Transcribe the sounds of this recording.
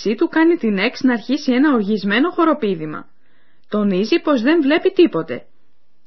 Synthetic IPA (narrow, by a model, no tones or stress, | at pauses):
sit̪ukɐnit̪ine̞ksnɐːɾçisie̞nɐo̞ɾʝizme̞no̞xo̞ɾo̞piðimɐ̰ | t̪o̞nizipo̞zðe̞ɱvle̞pit̪ipo̞t̪e̞̰